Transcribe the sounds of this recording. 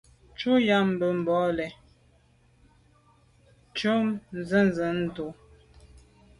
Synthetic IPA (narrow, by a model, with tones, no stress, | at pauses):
t͡ʃu˦ja˦˨m̩˨bə˨m̩˨bɔ˨˦lɛ˨ | t͡ʃo˦mn˨zə˦nzə˨˦n̩˦˨to˨